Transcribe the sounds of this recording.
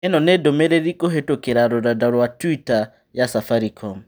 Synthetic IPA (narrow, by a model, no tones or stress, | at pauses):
ɛnɔnedomeɾeɾikoɦetokeɾaɾodadaɾwatwita | jasafaɾikʰɔm